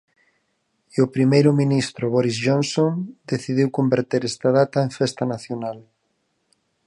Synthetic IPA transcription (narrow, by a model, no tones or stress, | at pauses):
opɾimejɾʊmĩnist̪ɾʊβɔɾizʒonsond̪̥eθiðiwkombeɾt̪eɾɛst̪aðat̪aeɱfɛst̪ɐnaθjonal